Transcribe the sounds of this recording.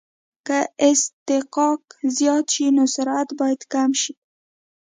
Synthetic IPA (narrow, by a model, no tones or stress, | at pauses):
kəɪst̪ɪqɑkzjɑt̪ʃinosʊɾat̪bɑjad̪kamʃi